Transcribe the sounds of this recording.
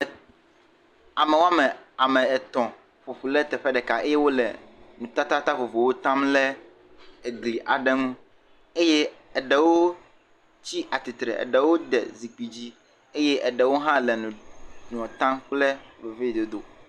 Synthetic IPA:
a˨mɛ˨wo˦a˦mɛ̃˨a˨mɛ̃˨ɛ˨t̪ɔ̃˨ | ɸo˨ɸu˨lɛ˦t̪ɛ˨ɸɛ˦ɖɛ˨ka˨ʔe˦jɛ˦wo˦lɛ̰˨nũ˨t̪a˦t̪a˦t̪a˦ɸo˨vo˨wo˦t̪ã˦mlɛ˦ | e˨ɡli˨ʔa˨ɖɛ˦nũ˦ | e˦jɛ˦ɛ˨ɖɛ˨wo˦ | t͡ɕi˦ʔa˨t̪i˨t̪ɾɛ̰˨ɛ̰˨ɖɛ˨wo˦d̪ɛ̰˨zi˨k͡pi˨d͡ʑi˦ | e˦jɛ˦ʔɛ˨ɖɛ˨wo˦ɦã˦lɛ˨nũ˨ɖɔ̃˨t̪ã˦mk͡plɛ˦ve˨ve˦i˨d̪o˨d̪o̰˨

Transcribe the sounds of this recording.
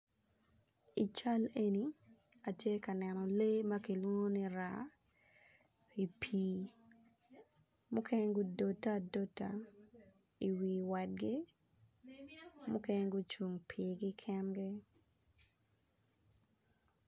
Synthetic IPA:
i˨t͡ʃa˦le˦ni˨ | a˨tje˦ka˨nɛ˨nɔ˨le˦ma˦ki˨lwo˦ŋo˦ni˦ɾa˨ | i˨pʰiː˨ | mʊ˦kʰe˦ɲɡʊ˦do˨ta˦do˦ta˨ | i˨wi˨wa˨t̚ɡɪ˦ | mʊ˦ke˦ɲ˦ɡʊ˦t͡ʃu˨ŋpʰiɡɪ˦kʰɛ˦mɡɪ˦

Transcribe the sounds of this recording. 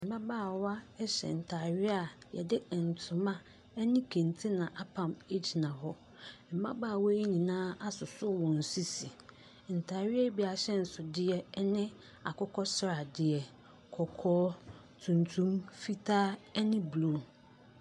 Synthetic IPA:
m̩˨ba˦baː˦˨wa˦ɛ˦ɕɛ̰˨n̩˨tʰaː˨ɥɪ˦a˨jɛ̰˨dɪ˦ɛ˨n˨tʰʊ̃˨mã˦ | ɛ˦nɪ̃˦kʰẽ˨ntʰi˦nã˨ʔa˨pʰã˨me˦d͡ʑi˨nã˨ɦɔ˦ | m̩˨ba˦baː˦˨wɔ˦e˦ɲĩ˨nãː˦a˦sʊ˨sʊ˦˨wɔ̃˨n̩˨su˦si˨ | n̩˨tʰa˨ɥɪ˦ɛ˦bi˨a˨ɕɛ˦n̩˨sʊ˨dɪ˦ɛ˦nɪ̃˦ | a̰˨kʰɔ˦kʰɔ˦sɾa˨dɪ˨ɛ˨ | kʰɔ˨kʰɔː˦ | tʰũ˨ntʰũ˦mfi˦tʰaː˦ɛ˦nɪ̃˦blu˦˨

